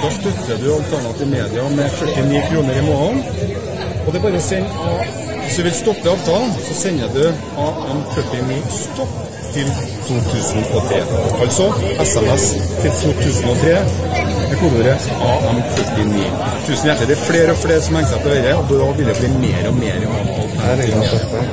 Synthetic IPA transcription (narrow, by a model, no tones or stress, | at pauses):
d̪ɑːst̪œt̪ːəd̪ʉɑlt̪ʰæɳɑt̪ɪːʋmeːd̪ɪɑmɛfœʈːɪniːkʰɾuːnəɾɪmoːɭn | ɔd̪ɛæɾbɑːɾəɔsɛɲː | ɔ | ʋɪsd̪ʉʋɪlst̪ɔpːəɑːʋt̪ʰɑlnsɔsɛɲːəd̪ʉ | ɑːɛmfœʈːɪniːst̪ɔpː | t̪ʰɪl | t̪ʰuːt̪ʰʉːsnɔt̪ʰɾḛːɑlsɔɛsæmɛst̪ʰɪlt̪ʰuːt̪ʰʉːsnɔt̪ʰɾeːɛkuːd̪uːɾə | ɑɛmfœʈːɪnḭː | t̪ʰʉːsnjæʈ̪ːəd̪ɛfɽeːɾɔfɽeːɾsɔmɛŋsæpɔhœʏɾəɔd̪ɑʋɪld̪ɛbliːmeːɾɔmḛːɾɛnɑ̰ːʋt̪ʰɑ̰lhæ